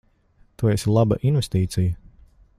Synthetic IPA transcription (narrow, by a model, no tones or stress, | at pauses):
t̪uɔɛslˠabə̰ʔinvɛst̪iːt̪sijə